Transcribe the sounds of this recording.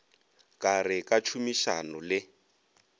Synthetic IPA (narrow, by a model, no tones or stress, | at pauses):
kʼarɪkat͡ʃʰumiʃa̰nʊlɪ